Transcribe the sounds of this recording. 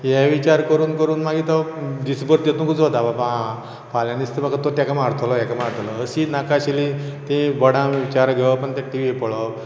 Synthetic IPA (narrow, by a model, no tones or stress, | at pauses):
jɛʋit͡ɕaɾkəɾuːnkəɾuːnmaɡit̪əd̪isbəɾt̪jet̪unkʰut͡sɦot̪ababa | paljanist̪əbakat̪ot̪jakamaɾt̪ʰolɔjɛkamaɾt̪ʰlɔəsinakaɕilit̪ĩbəɽãʋit͡ɕaɾɡʱeʋpəɳt̪ãʈiʋipəɭɔ